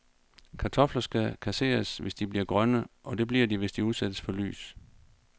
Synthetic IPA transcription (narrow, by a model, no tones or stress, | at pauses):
kʰɑ̈t͡sʰɒ̽flɐsɡ̥ækʰæse̝̰ːɐsʋe̝sd̥ib̥liɐɡ̥ʁɶnəʔɒ̽d̥e̝b̥liɐd̥iʋe̝sd̥iuðˠsæd̥əsfɒ̽ly̰ːs